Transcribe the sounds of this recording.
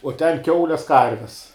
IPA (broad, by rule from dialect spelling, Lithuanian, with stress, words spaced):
uɔ tʲɛn ˈkʲɛʊlʲɛs ˈkɐrʲʋʲɛs